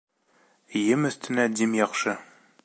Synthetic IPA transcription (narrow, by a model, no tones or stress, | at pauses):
jɘmɘ̆st̪ɘ̆næd̪ʲimjɑχʃɤ